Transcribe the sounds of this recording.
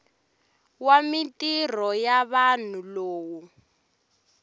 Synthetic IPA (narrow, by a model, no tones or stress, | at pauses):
wamitir̤ɔjaβan̤uloːwu